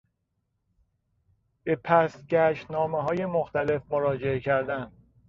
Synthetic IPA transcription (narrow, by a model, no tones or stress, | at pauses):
b̥e̞pʰæsɟæʃt̪nɒːmeɦɒːje̞moxt̪æle̞fmoɾɒːd͡ʒeecʰæɾd̪æn